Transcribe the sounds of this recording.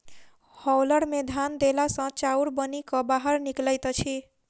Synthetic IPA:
hɔwləɽmed̪ʱand̪elasʌ̃t͡ʃawɽbənikʌbaɦəɾnikləjt̪t͡ʃʰi

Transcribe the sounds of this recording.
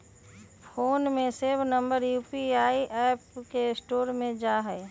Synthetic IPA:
fʰoːnmẽseːbnə̃mbəɾjuːpiaːiʔɛːpkesʈoːɾmẽd͡ʒaːɦɛː

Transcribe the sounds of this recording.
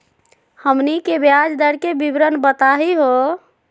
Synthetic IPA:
həmnikebjad͡ʒd̪əɾkebibɾənbət̪aɦiɦo

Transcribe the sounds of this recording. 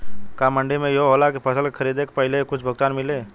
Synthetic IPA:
kamə̃ɳɖimẽjooːlakepʰəsəlkekʰəɾiːd̪ekepəɦɪlekʊt͡ʃʰbʱəɡ̚t̪aːnmɪleː

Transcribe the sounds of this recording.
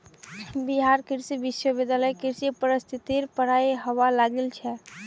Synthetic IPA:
biɦaɾkiɾsibisəbed̪jaləjkiɾsipəɾəst̪ʰit̪iɾpəɽ̤ajɦəʋalaɡelt͡ʃʰɛ

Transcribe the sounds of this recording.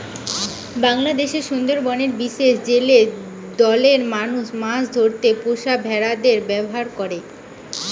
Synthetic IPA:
baŋlad̪eʃeɾʃund̪oɾbɔneɾbiʃeʃd͡ʑele | d̪ɔleɾmanuʃmasd̪ʱoɾt̪epoʃabʱɛɾad̪eɾbɛboɦaɾkɔɾe

